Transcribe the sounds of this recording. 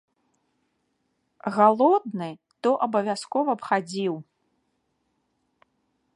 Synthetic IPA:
ɣalˠɔd̪̚nɨ | t̪ɔʔɐbɐvʲaskɔvɐpxad͡zʲiw

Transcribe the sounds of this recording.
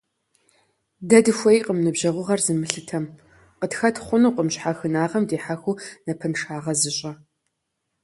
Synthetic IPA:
dɐdɨxʷɐiqəmnɨbʒɐʁʷʊʁɐrzɨmɨɬɨtʰɐm | qətxɐtʰχʷʊnuːqʼəmɕħaxɨnaːʁɐmdeːħaxunɐpʰɐnʂaːʁɐzɨɕʼɐ

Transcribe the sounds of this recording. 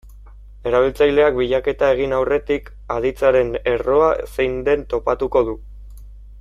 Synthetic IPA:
e̞ɾaβ̞ilt͡sajle̞ak̚biʎake̞t̪ae̞ɣ̞inawre̞t̪ik | aðit͡saɾe̞ne̞ro̞asejnd̪e̞nt̪o̞pat̪uko̞ð̞u

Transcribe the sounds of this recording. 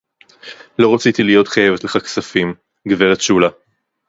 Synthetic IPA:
lo̞ʁat͡sit̪ilijo̞t̪χaje̞vet̪leχaksafim | ɡveʁet̪ʃula

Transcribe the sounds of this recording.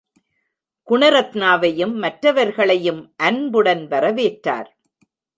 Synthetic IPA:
kʊɳɐɾɐt̪naːʋɐjɯmːɐʈɾɐʋɐɾɣɐɭɐjɯmʔɐnbɯɽɐnʋɐɾɐʋeːʈɾa̰ːɾ

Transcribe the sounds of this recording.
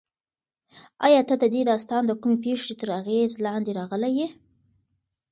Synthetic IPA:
ɑjɑt̪ad̪əd̪ed̪ɑst̪ɑnd̪əkumep̬eʂet̪əɾaɣezlɑnd̪eɾɑɣəlaje

